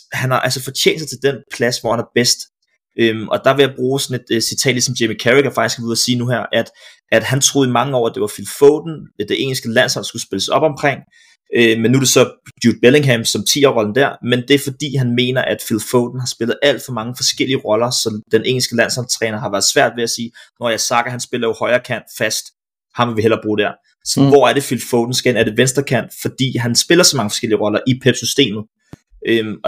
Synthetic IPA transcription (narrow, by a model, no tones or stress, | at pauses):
hænhɑ̈ʔælsəfɒ̽t͡sʰjḛːnd̥sɑ̈ɪt͡sʰe̝ld̥enpʰlæsʋɒ̰ːhænæɐb̥esd̥ | ʔømɒ̽d̥ɑ̈ʋe̝jɑ̈b̥ʁuːsɒ̽ne̝d̥sit͡sʰɛ̰ːd̥lisɒ̽mj̥emikʰæʁiɡ̥æfɑ̈ɡ̥i̥sɡ̥ʋeð̩ˠɐsiːnuɦæɐ̰ʔæd̥ | æd̥hænt͡sʰʁo̝ːðˠimɑ̈ŋəɒʊ̰ɐæd̥e̝ʋɑ̈filfɔʊd̥n̩d̥e̝ʔe̝ŋl̩sɡ̥əlæn̰sɒ̽l̰sɡ̥usb̥e̝ləsɒ̽b̥ɒ̽mkʰʁeŋ̰ | ømenːuæ̥e̝sɒ̽b̥jud̥̚b̥ele̝ŋɦæmsɒ̽mt͡sʰḭːɒʁɒ̽ln̩d̥æɐ̰mend̥e̝æɐfɒ̽d̥ḭːɦænme̝̰ːnɐʔæd̥filfɔʊd̥n̩hɑ̈sb̥e̝lð̩ˠʔæl̰d̥fɒ̽mɑ̈ŋəfɒ̽sɡ̥el̰iəʁɒ̽lɐsɒ̽d̥enʔe̝ŋ̰l̩sɡ̥əlæn̰sɒ̽nlt͡sʰʁɛːnɐɦɑʋæɐðˠsʋæɐ̰d̥ʋe̝æsiːnɒjɑ̈ɪsɑ̈ɡ̥ɐɦænsb̥e̝lɐjo̝hɒ̽ɪɐːkʰæn̰d̥fæsd̥ | hɑ̈mʋeʋiɦel̰ɐb̥ʁuːd̥æɐ̰ | ʋɒ̰æɐd̥e̝filfɔʊd̥n̩sɡ̥enæɐdeʋensd̥ʁɐkʰæn̰d̥fɒ̽d̥ḭːɦænsb̥e̝lɐsɒ̽mɑ̈ŋəfɒsɡ̥el̰iəʁɒ̽lɐʔipʰeb̥sysd̥e̝̰ːmð̩ˠ | ʔø